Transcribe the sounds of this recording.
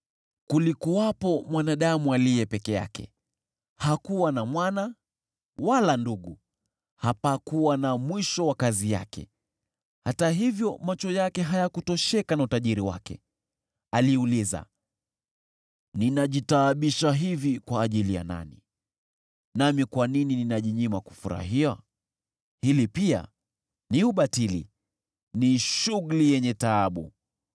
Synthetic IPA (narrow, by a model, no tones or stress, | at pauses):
kulikuwapɔmwanaɗamualijɛpɛkɛja̰kɛ̰ | hakuwanamwana | walanduɠu | hapakuwanamwiʃɔwakazija̰kʰɛ̰ | hataɦivjɔmat͡ʃɔjakɛɦajakutɔʃɛkanautaʄiɾiwa̰kɛ̰ | aliuliza̰ | ninaʄitaːɓiʃaɦivikwaːʄilija̰na̰nḭ | namikwaninininaʄiɲimaku̥fuɾa̰ɦia | hilipia̰ | niuɓatilḭ | niʃuɣulijɛɲɛtaːɓu